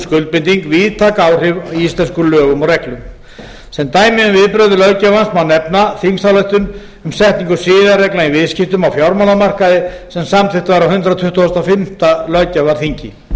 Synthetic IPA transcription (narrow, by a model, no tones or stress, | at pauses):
skʏlt̪̚pɪnt̪iŋkviːðt̪ʰakaːwr̥ɪvist̪lɛnskʏlœːɣʏmɔɣrɛklʏm | sɛmnt̪aːjmɪʏmvɪðpɾœɥðʏlœɥcavansmawnɛpnaθimsθalœjht̪ʏn | ʏmsɛht̪niŋkʏsɪːðarɛklaivɪðscɪft̪ʏmawfjawɾmalamar̥kaðɪsɛmsamt̪ʰɪht̪vajɾawhʏnt̪ɾat̪ʰʏht̪uɔst̪awfɪm̥t̪alœɥcavaɾ̥θiɲcɪ